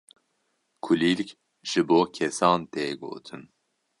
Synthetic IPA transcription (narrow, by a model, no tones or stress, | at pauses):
kʰulilk | ʒ̥ɨboːkʰɛsɑːnt̪eːɡo̰ːt̪ʰɨn